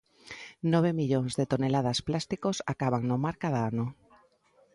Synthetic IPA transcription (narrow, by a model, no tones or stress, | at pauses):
nɔβ̞emiʎoŋzðet̪onelað̞asplast̪ikosakaβ̞aŋnomaɾkaðaano